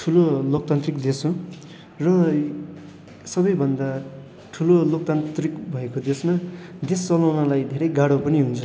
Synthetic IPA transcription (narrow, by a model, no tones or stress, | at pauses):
ʈʰulolok̚t̪ant̪rikd̪eso | rʌ | sʌbʌjbʱʌnd̪a | ʈʰulolok̚t̪ant̪rikbʱʌekod̪esmad̪est͡sʌlawnʌlajd̪ʱeɾʌjɡaɽopʌniɦunt͡sʰʌ